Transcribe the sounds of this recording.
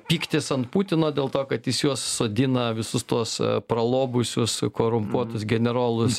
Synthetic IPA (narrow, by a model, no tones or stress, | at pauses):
pʲiːkt̪ʲesɐnt̪puːt̪ʲɪnoːd̪ʲeːlˠt̪oːkɐt̪jɪsjuɔsːoːd̪ʲɪnɐʋʲɪsʊst̪uɔspɾɐlˠoːbʊsʲʊskoːɾʊmpuɔt̪ʊsɡʲɛnʲɛɾoːlˠʊs